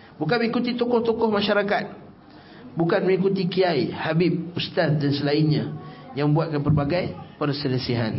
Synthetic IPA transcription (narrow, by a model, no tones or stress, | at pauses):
bukanməŋikut̪it̪ukʊht̪ukʊhmãʃaɾakat̪̚ | bukanməŋikut̪ikiajhabip̚ust̪at̪̚dansəlainɲãjãŋmə̃mbuat̪̚kanpərbaɡajpərsələsiɦa̰n